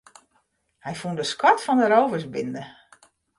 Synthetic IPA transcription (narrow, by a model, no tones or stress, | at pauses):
hɛjfundəskɔtfɔndəɾowvərsbɪndə